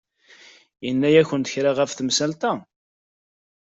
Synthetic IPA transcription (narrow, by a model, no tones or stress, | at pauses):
jənːæjæçənt̪ə̥çɾaʁæfθmsælt̪æ